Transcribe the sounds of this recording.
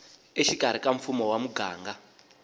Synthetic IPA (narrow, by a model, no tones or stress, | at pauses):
eʃikaɾ̤ikaɱfumɔwamuɡa̰ːŋɡa